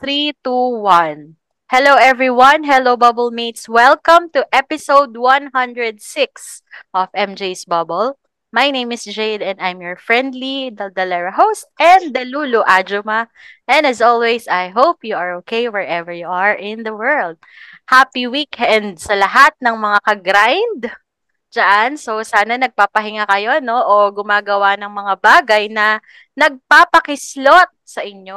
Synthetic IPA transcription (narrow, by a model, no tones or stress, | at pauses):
θɾit̪uwɐ̃n | hɛloʊʔɛvɹiwɐ̃nɦɛlowbɐbɔlmit̪swɛlkɐ̃mt̪uʔɛpɪsowd̪̚wɐ̃nɦʌ̃nd̪ɹɛd̪̚sɪks | ʔɔvɛ̃md͡ʒejsbɐbɔl | majnẽjmɪsd͡ʒejd̪ɛ̃nd̪ajmjɔɹfɹɛ̃nd̪lid̪d̪ɐlɛɹɐɦowst̪̚ʔɛ̃nd̪d̪ɐluːloʔad͡ʒoma | ʔɛ̃nɐzolwɛzɐjɦopjuaɹokʰejwɛɹʔɛvɛɹjuaɹɪ̃nðɐwɜɹld̪̚hapiwikhɛnd̪̚sɐlɐɦat̪̚nɐŋmɐŋakɐɡɾajnd̪ | d͡ʒɐʔansowsaːnɐnɐɡ̚paːpɐɦɪŋakɐjo̞no̞ʔoɡʊmaːɡɐwanɐŋmɐŋabaːɡɐjnɐ | nɐɡ̚papɐkɪslot̪̚sɐʔɪɲo